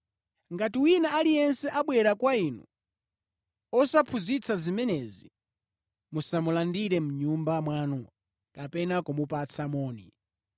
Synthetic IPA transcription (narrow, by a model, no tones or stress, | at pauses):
ŋɡatiwinaalijɛnsɛʔaɓwɛɾakwainṵ | ɔsapʰuzit͡sʰazimɛnɛzi | musamulandiɾɛmuɲumbamwaːnɔ | kapɛnakɔmupat͡sʰamɔːni